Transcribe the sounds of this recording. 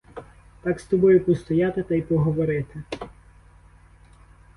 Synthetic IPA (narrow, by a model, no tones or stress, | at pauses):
t̪ɑkst̪ɔbɔjʊpɔst̪ɔjɑt̪ɪt̪ɐjpɔɦɔʋɔɾɪt̪ɪ